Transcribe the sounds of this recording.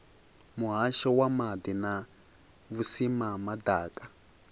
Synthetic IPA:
muɦaʃɔwamadina | βusimamadaːkʼa

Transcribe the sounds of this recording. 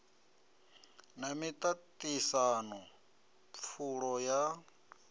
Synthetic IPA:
namit̪ʼatʼisanɔ | p̪fʰuɺɔja

